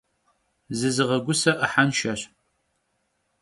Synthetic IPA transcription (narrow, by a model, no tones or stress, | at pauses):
zɨzɨʁɐɡʷʊsɐʔəħanʃɐɕ